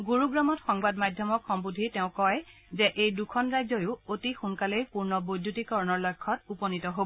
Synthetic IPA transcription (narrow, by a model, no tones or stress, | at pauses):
ɡuɹuɡɹamɔtxɔŋbadmajdʱjɔmɔkxɔmbudʱitɛʊ̃kɔj | zɛʔejdukʰɔnɹazɔjʊotixunkalejpuɹnɔbojdʱutikɔɹɔnɔɹlɔjkʰːɔtupɔnitɔɦobɔ